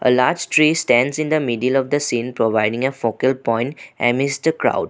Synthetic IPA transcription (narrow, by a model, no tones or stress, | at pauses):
ʔə̰laːɾd͡ʒʈɾiːsʈæ̃ɳɖzɪ̃nd̪əmiɖiəlɔʋd̪əsĩːnpɾoʋaɪɖɪ̃ŋəfoːkəlpɔ̃ɪ̃ɳʈɛ̰̃mɪsd̪əkɾa̰ʊɖ